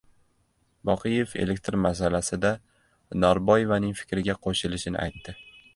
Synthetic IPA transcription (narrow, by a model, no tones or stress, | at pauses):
bɒqʰɨje̞fe̞̰le̞k̚ʲt̪ɾmas̬alasɪd̪a | nɒɾbɒjevanɪŋfɪ̥kʲɾɪɡʲaqʰoʃɪlɪʃɪnɪ̰ʔa̰jt̪ːɪ